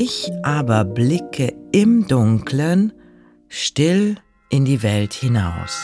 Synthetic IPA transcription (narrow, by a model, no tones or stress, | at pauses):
ɪçʔaːbɐblɪkʰəɪmdʊŋkʰlən | ʃtɪl | ʔɪndiːvɛlthɪna̰ʊs